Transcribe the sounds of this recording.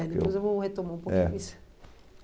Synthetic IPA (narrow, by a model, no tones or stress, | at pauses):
ɛd̪eojzewvowhet̪omaũpokɛ̰is